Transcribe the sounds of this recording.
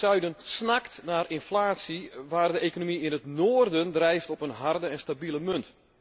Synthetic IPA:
œɥdənsnaktnaːrɪnflaːtsiʋaːrdəʔekonomiɪnətnoːərdəndrɛjftɔpənɦardəɛnstabiləmønt

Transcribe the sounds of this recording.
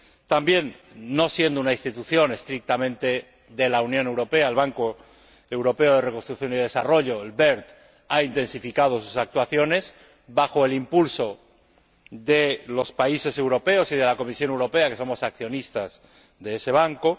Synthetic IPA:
t̪ambje̞nːo̞sje̞nd̪ounainst̪it̪uθjo̞ne̞st̪ɾik̚t̪amẽnt̪e̞ | ðe̞launjõne̞wɾo̞pe̞aelβaŋko̞ | e̞wɾo̞pe̞oð̞e̞rekonst̪ɾukθjo̞niðe̞saro̞ʎo̞elβe̞ɾt̪ | aint̪e̞nsifikað̞o̞susak̚t̪waθjo̞ne̞s | baxo̞e̞limpulso̞ | ðe̞lo̞spaise̞se̞wɾo̞pe̞o̞siðe̞lako̞misjo̞newɾo̞peake̞so̞mo̞sak̚θjo̞nist̪az | ðe̞ese̞β̞aŋko̞

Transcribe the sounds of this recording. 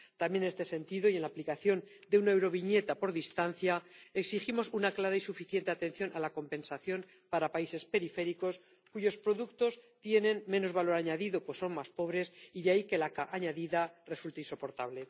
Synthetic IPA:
t̪amje̞ne̞st̪e̞se̞nt̪iðojienlaplikaθjo̞n | d̪eunaewɾo̞β̞iɲe̞t̪apo̞ɾðist̪anθjae̞ksiximo̞sunaklaɾaisufiθje̞nt̪e̞at̪e̞n̟θjo̞nʔalako̞mpẽ̞nsaθjo̞n | paɾapaise̞spe̞ɾife̞ɾiko̞s | kuʝo̞spɾo̞ðukt̪o̞st̪je̞nẽ̞nmẽ̞no̞zβalo̞ɾaɲaðiðopwesːo̞nmaspo̞βɾe̞siðeaike̞lakaʔaɲaðiðare̞sult̪eainso̞po̞ɾt̪aβle̞

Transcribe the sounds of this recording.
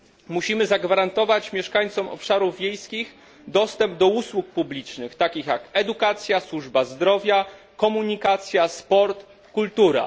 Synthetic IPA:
muɕimɘzaɡvaɾant̪ɔvat͡ɕmʲjɛʂkaɲt̪sɔmɔ̰pʂaɾuvʲːjejskʲix | d̪ɔst̪ɛmb̚d̪ɔuswuk̚publʲit͡ʂnɘxt̪akʲixjakɛd̪ukat̪sʲjaswuʐbazd̪ɾɔvʲja | kɔmuɲikat̪sʲjaspɔɾt̪ | kult̪uɾa̰

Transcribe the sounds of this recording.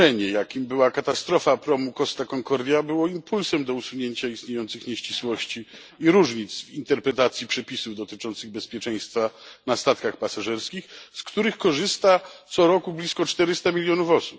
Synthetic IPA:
ɛɲɛjakʲimbɘwakat̪ast̪ɾɔfapɾɔmukɔst̪akɔŋkɔɾd̪ʲjabɘwɔimpulsɛmd̪ɔusuɲeɲt͡ɕaist̪ɲejɔnt̪sɘxɲeɕt͡ɕiswɔɕt͡ɕi | iɾuʐɲit̪svint̪ɛɾpɾɛt̪at̪sʲjipʂɛpʲisuvd̪ɔt̪ɘt͡ʂɔnt̪sɘɣbɛspʲjɛt͡ʂɛj̃st̪fanast̪at̪kaxpasaʐɛɾskʲixskt̪uɾɘxkɔʐɘst̪at̪sɔɾɔkublʲiskɔt͡ʂt̪ɛɾɘst̪amʲilʲjɔnufɔsu̥p

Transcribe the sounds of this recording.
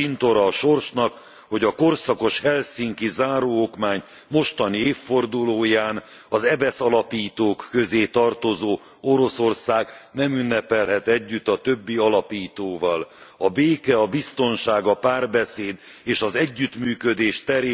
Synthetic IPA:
int̪o̞ɾɒːʃo̞rʃnɒk | ho̞ɟɒko̞rsɒko̞ʃhɛlsiŋkizaːɾoːokmaːɲ | mo̞ʃt̪ɒnieːfːo̞rd̪uloːjaːn | ɒzɛbɛsɒlɒpiːt̪oːkːø̞zeːt̪ɒrt̪o̞zoː | o̞ɾo̞so̞rsaːɡnɛmynːɛpɛlɦɛt̪ɛɟːyt̪ːɒt̪øbːiɒlɒpiːt̪oːvɒlɒbeːkɛɒbist̪o̞nʃaːɡɒpaːrbɛseːd̪ | eːʃɒzɛɟːyt̪myːkød̪eːʃt̪ɛɾeː

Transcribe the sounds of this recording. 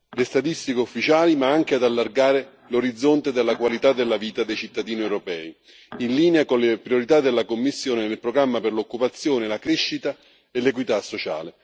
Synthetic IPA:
lest̪at̪ist̪ikeufːit͡ʃaːlimaaŋk̟ead̪alːarɡaːɾe | loɾid̪zːont̪ed̪elːakwalit̪ad̪ːelːaviːt̪ad̪ejt͡ʃit̪ːad̪iːniewɾopɛːi | inliːneakonlepɾioɾit̪ad̪elːakomːisːjoːnenelpɾoɡɾamːapɪrlokːupat̪sːjoːnelakɾeʃːit̪a | elekwit̪asːot͡ʃa̰ːle

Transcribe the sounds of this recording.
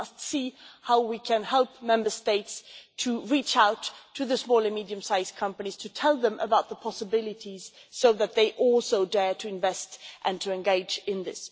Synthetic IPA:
stsihaʊwikʰɨ̃nhɛlˠp̚mɛ̃mbə˞steɪtstʰɨɹit͡ʃaʊtʰːɨðɨsmɔlˠə˞midiɨ̃msaɪz̥kʰʌ̃mpɨniz̥tʰɨtʰɛlˠðə̃mʔə̰baʊt̪̚ðəpʰɑsəbɪlˠɨɾiz̥soʊðɨt̪̚ðeɪʔɔlˠsoʊdɛɹɾʰɨɨ̃ɱvɛstʔɨ̃ntʰɨɨ̃nɡeɪd͡ʒɪ̃nðɪ̰s

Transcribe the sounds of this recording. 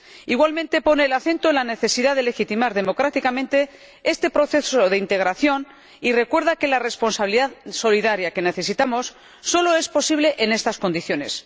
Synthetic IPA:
iɣwalmẽ̞nt̪e̞po̞neːlaθẽ̞nt̪oenlane̞θe̞siðaðe̞le̞xit̪imaɾðe̞mo̞kɾat̪ikamẽnt̪e̞ | e̞st̪e̞pɾo̞θe̞soðeint̪e̞ɣ̞ɾaθjo̞n | ire̞kwe̞ɾðake̞lare̞spo̞nsaβiliðaðso̞liðaɾjake̞ne̞θe̞sit̪amo̞sː | o̞lo̞e̞spo̞siβ̞le̞ʔene̞st̪asko̞nd̪iθjo̞ne̞s

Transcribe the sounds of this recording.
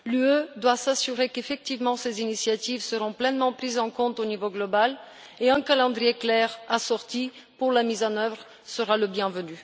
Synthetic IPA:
lyød̪wasasyʁekefɛk̚t̪ivmɑ̃sezinisjat̪ivsəʁɔ̃plɛnmɑ̃pχizɑ̃kɔ̃t̪onivoɡlɔbal | eɛ̃kalɑ̃d̪ʁijeklɛʁasɔʁt̪i | puʁlamizɑ̃nœvʁ | səʁaləbjɛ̃vəny

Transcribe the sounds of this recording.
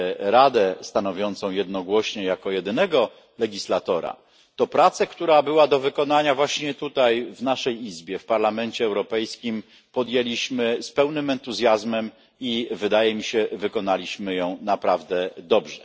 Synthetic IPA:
ɾad̪ɛst̪anɔvʲjɔnt̪sɔ̃w̃jɛd̪nɔɡwɔɕɲɛjakɔjɛd̪ɘnɛɡɔ | lɛɡʲislat̪ɔɾa̰ | t̪ɔpɾat̪sɛkt̪uɾabɘwad̪ɔvɘkɔnaɲavwaɕɲɛt̪ut̪ajvnaʂɛjizbʲjɛfpaɾlamɛnt͡ɕɛːwɾɔpɛjskʲim | pɔd̪jɛlʲiɕmɘspɛwnɘmɛnt̪uzʲjazmɛm | ivɘd̪ajɛmʲiɕɛvɘkɔnalʲiɕmɘjɔ̃w̃napɾavd̪ɛd̪ɔbʐɛ

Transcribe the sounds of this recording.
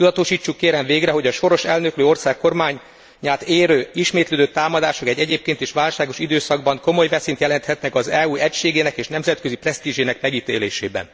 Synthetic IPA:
tud̪ɒt̪o̞ʃiːt͡ʃːukːeːɾɛɱveːɡrɛɦo̞ɟɒʃo̞ɾo̞ʃɛlnø̞kløːo̞rsaːkːo̞rmaːɲː | aːt̪eːɾøːiʃmeːt̪løːd̪øt̪ːaːmɒd̪aːʃo̞kɛɟːɛɟeːp̚keːnt̪eːʃʋaːlʃaːɡo̞ʃid̪øːsɒɡ̚bɒŋko̞mo̞jvɛsiːnt̪jɛlɛnt̪hɛt̪nɛkɒzɛuːɛcʃeːɡeːnɛkeːʃnɛmzɛt̪kø̞ziprɛst̪iːʒeːnɛkmɛɡit̪eːleːʃḛːbɛ̰n

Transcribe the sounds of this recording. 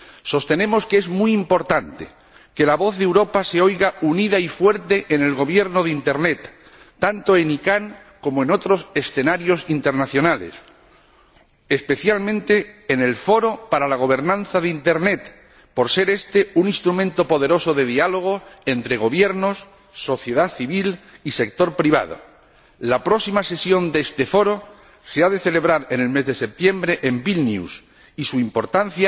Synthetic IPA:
so̞st̪e̞ne̞mo̞ske̞zmuimpo̞ɾt̪ant̪e̥̰ | ke̞laβo̞θðewɾo̞pase̞o̞jɣauniðaifwe̞ɾt̪e̞ʔene̞lɣo̞β̞je̞ɾnoðint̪e̞ɾnet̪ː | ant̪o̞e̞nikaŋ | ko̞moe̞no̞t̪ɾo̞se̞sθe̞naɾjo̞sint̪e̞ɾnaθjo̞nale̞̰s | e̞spe̞θjalmẽ̞nt̪e̞ːne̞lfo̞ɾo̞paɾalaɣ̞o̞β̞e̞ɾnãn̟θaðint̪e̞ɾne̞t̪ | po̞ɾse̞ɾe̞st̪e̞unĩnst̪ɾumẽnt̪o̞po̞ð̞e̞ɾo̞so̞ðe̞ðialo̞ɣ̞oe̞nt̪ɾe̞ɣ̞o̞β̞je̞ɾno̞sː | o̞θje̞ð̞aθiβilise̞k̚t̪o̞ɾpɾiβa̰ð̞o̰ | lapɾo̞simase̞sjo̞nd̪est̪efo̞ɾo̞ | seaðe̞θele̞β̞ɾaɾene̞lme̞zðe̞se̞p̚t̪je̞mbɾe̞ʔembilnjṵs | isuimpo̞ɾt̪an̟θja

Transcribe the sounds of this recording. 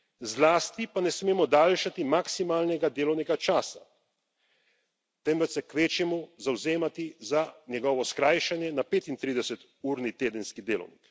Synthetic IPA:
zlaːst̪ipanɛsmeːmɔd̪aːlʃat̪imaksimaːlnɛɡad̪eːlɔwnɛɡat͡ʃaːsa | t̪ɛmʋɛt͡ʃ̪sɛkʋeːt͡ʃjɛmuzawzeːmat̪izanjɛɡɔːʋɔskɾaːjʃɛnjɛnapeːt̪int̪ɾiːd̪ɛsɛt̪ | uːɾnit̪eːd̪ənskid̪eːlɔ̰wnik

